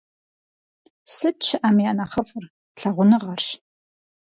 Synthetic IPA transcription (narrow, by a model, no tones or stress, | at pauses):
sɨt̚t͡ʃʰɪʔɐmjaːnɐχɐfʼɨr | ɬɐʁʷʊnɨʁɐrɕ